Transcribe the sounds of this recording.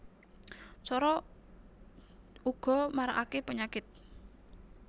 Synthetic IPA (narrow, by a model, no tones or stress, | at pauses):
t͡ʃɔɾɔ | ʔuɡ̥ɔ̤maɾa̰ʔakepəɲakɪt̪̚